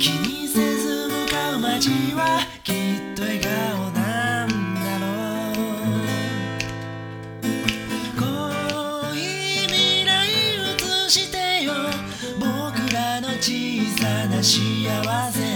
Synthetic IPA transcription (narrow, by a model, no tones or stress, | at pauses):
kʲiɲ̟isezɨmɯkamad͡ʑiβa | kʲit̪ːo̞eɡaonand̪aɾo | ko | imʲiɾaimɯ̟t͡sɨɕit̪ejo | bokɯ̟ɾano̞t͡ɕiːsanaɕiaβase